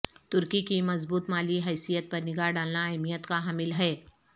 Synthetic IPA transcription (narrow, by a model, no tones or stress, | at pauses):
t̪ʊɾkikimɐzbuːt̪maːliɦɛːsijət̪̚pɐɾnɪɡaɖaːlnaajmijət̪kaɦaːmɪlɦɛː